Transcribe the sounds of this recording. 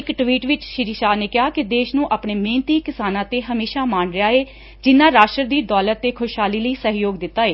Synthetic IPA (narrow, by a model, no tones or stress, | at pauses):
ɪkʈʋiːʈʋɪt͡ʃʃɪɾiʃaːneːkɪɦaːkɪd̪eːʃnũːʔaːpɳeːmẽːnt̪iːkɪsaːnãːt̪eːɦəmeːʃaːmaːɳɾɪjaːeː | d͡ʒɪnːaːɾaːʃʈəɾd̪iːd̪ɔːlət̪ːeːkʰʊʃɦaːliːləiːsəɦjoːɡd̪ɪt̪ːaːeː